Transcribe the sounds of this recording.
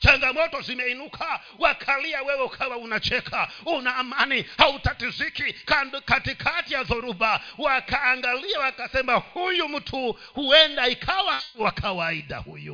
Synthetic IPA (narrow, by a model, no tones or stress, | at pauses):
t͡ʃʰaŋɡamɔtɔzʷimɛinukʰa | wakʰaliawɛwɛukʰaʋaunat͡ʃɛkʰaunaːmanihautatizʷikikkatikʰatijaðɔɾubawakʰaːŋɡaliawakasɛmbahujumutʰu | huɛndaikʰawawakʰawaida̰hṵːjṵ